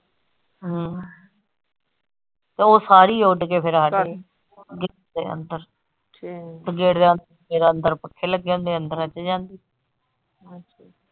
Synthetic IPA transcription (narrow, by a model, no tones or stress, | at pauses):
ɦː | t̪eːoːsaːɾiːʊɖkeːpʰɪɾɦaʈeː | ɡeːd̪ḛːə̰nd̪əɾ | səɡeːɽd̪eːənd̪əɾeɾənd̪əɾpəkʰːeːləɡd͡ʒãːnd̪eːənd̪əɾət͡ʃːd͡ʒãːnd̪iː